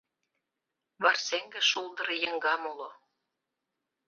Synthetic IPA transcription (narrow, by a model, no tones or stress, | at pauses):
βɑrseŋɡĕʃulˠd̪ə̆ɾɤjə̆ŋɡɑmulo